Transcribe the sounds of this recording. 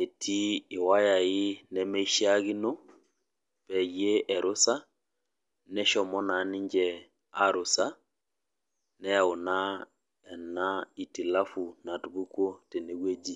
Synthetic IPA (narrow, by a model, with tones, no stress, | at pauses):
e˨tʰi˦ɪ˨wa˦ja˨ɪ˦nɛ˦mɛ˦i˦ʃi˦a˦ɣi˦no˦ | pɛ˨je˦ɛ˨ɾʔo˦sa˦ | nɛ˦ʃɔ˨mɔ˦na˨nɪ˦ɲd͡ʒɛ˨ | a˦ɾo˨sa˦ | nɛ˦a˨o˨na˦ | ɛ˨na˦i˨ti˨la˦fu˨na˨tu˨bu˦kwo˦te˨ne˨˦ɣwe˦d͡ʒi˦